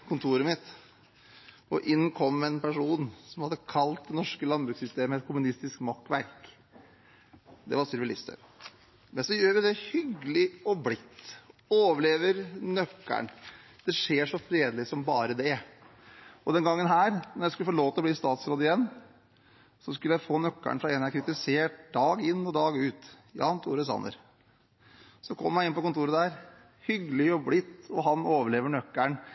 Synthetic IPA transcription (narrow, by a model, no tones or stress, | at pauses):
kʰʊnt̪ʰuːɾəmɪt̪ | ɔʔɪnːkʰɔmːɛnpæʂuːnsɔmhɑd̪əkʰɑlt̪̚d̪ɛnɔʂkəlɑnbɾʉːksʏst̪eːməɛt̪̚kʰʊmʉnɪst̪ɪskmɑkːʋæɾk | d̪ɛ̰ʋɑsʏlʋɪlɪst̪ə̰ɾ | mɛnsɔjøːɾʋɪd̪ɛhʏɡəlɪɔblɪt̪ːoːʋəɭeːʋəɾnœkːæ̰ɳ | d̪̥ɛʂeːʂɔfɾeːd̪lɪsɔmbɑːɾəd̪ɛ | ɔd̪ɛnɡɑŋːənɦæːɾnɔɾjæskʉləfɔːloːt̪əɔbliːst̪ɑːt̪sɾoːd̪ɪjɛnː | sɔskʉləjæɪfoːnœkːæ̰ɳfɾɑɛnækʰɾɪt̪ɪseːʈ̚d̪ɑːɡɪnːɔd̪ɑːɡʉːt̪ | jɑ̰ːnt̪ʰṵːɾəsɑ̰nːə̰ɾ | sɔɔkʰɔmːəjæɪɪnpɔkʊnt̪ʰuːɾəd̪æːɾ | hʏɡəlɪɔblɪt̪ːɔɦɑnoːʋəɭeːʋəɳœkːæɳ